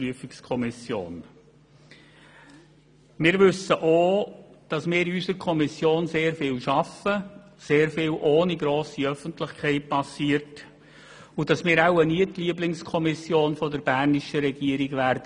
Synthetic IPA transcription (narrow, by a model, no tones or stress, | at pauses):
yəfɪkskʰɔmɪsjo̰ːn | mɪːɾʋʏsəʔod̥ɑsmɪːɾysəɾkʰɔmisjoːnseːɾfɪːlʃɑfə | seːɾfɪːlʔoːniɡɾoːsiœfəntlɪxkʰɛɪt̚pʰɑsiːəɾt | ʊd̥ɑsmɪːɾaʊəniətliːəblɪŋskʰɔmɪsjoːnfɔdəɾb̥ærnɪʃəɾɛɡiəɾiɡvæɾdə